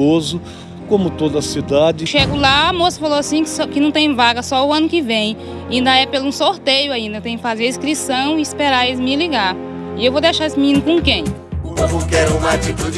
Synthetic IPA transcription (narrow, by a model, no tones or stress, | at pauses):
ozʊ | kõmʊt̪od̪ɐsid̪ad͡ʒɪʃeɡʊlaːmosɐ̥faloasĩkskɪnɐ̃w̃t̪ẽj̃vaɡɐsɔʊɐ̃nʊkɪvẽj̃ | ĩnd̪ɐɛpelũsoɾt̪ejʊaĩnd̪ɐt̪ẽj̃kɪfazeɾiskɾisɐ̃w̃ɪispeɾaɾezmɪliɡaɾ | ɪewvod̪ejʃaɾesɪmiĩnʊkõkẽj̃ | õmʊ̃kɛɾũmat͡ʃit̪ud͡ʒ